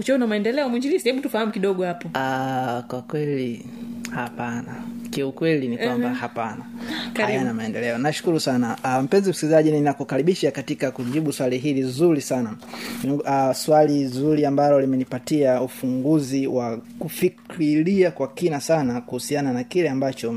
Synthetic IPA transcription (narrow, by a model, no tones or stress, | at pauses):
ut͡ʃɔunamaɛndɛlɛɔmwiɲd͡ʒilisahɛɓutufahamukiɗɔɠɔhapɔakwakwɛlihapanakiukwɛlinikwambahapanaajanamaɛndɛlɛɔnaʃu̥kuɾusanam̩pɛnzim̩sikilizaʄininakukaɾiɓiʃakatikakuʄiɓuswaliɦilizuɾisana | aswalizuɾiambalɔlimɛnipatiaufuŋɡuziwakufikɾiliakwakinasanakuhusiananakilɛambat͡ʃɔ